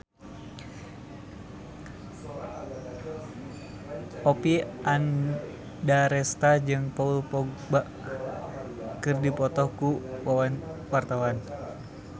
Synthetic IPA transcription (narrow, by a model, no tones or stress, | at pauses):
ɔpiʔan | daɾɛst̪ad͡ʒɨŋpaulpɔɡ | baʔ | kɨrdipɔt̪ɔhkuwawanwart̪awan